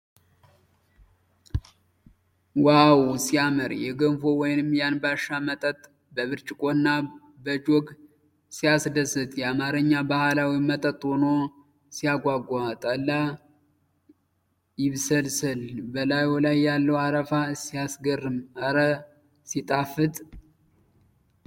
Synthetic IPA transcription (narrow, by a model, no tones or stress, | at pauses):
wawsiaməɾjɛɡənfowɔjnɨmjanbaʃːamət̪ʼət̪ʼ | bəβɨɾt͡ʃʼɪkʼo̞nːa | bəd͡ʒoɡ | sijasd̪əsɨt̪ʼjɛamaɾɨɲːabahalawimət̪ʼət̪ʼono | sijaɡʷaɡʷat̪ʼəlːa | jɪβsəlsɨlbəlajolajːalːəwaɾəfasiasɡərːɨmaɾə | sit̪ʼafɨt̪ʼ